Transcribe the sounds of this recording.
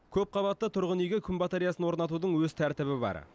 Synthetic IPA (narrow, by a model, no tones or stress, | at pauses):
kʲʰɵp̚qʰɑβɑt̪ːət̪ʰʊɾʁənejɡʲekʲʰʏmbɑt̪eɾijasənwo̞ɾnɑt̪ud̪əɴwɵzt̪ʰæɾt̪ɪβɪbɑ̰ɾ